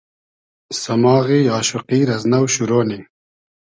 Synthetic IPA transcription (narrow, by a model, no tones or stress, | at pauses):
sɐmɑːɣiɑːʃuqiːɾɐznɐwɕuɾoːni